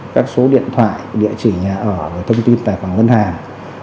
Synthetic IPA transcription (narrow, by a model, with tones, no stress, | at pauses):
kaː˦˥k̚so˨˦ɗḭ˧˨ənt̪ʰwa̰ː˧˨jɗḭ˧˨ət͡ɕi˧˩ɲaː˨˩ʔəː˧˩vəː˨˦jt̪ʰə˧wŋ͡mt̪i˧nt̪a̰ː˧˨jfwa˧˩ŋə˧nhaː˨˩ŋ